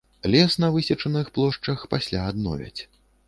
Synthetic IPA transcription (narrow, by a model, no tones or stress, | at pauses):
lʲɛsnɐvɨsʲɐt͡ʂɐnɨxplˠɔʂt͡ʂɐxpasʲlʲaːd̪nɔ̰vʲɛ̰t͡sʲ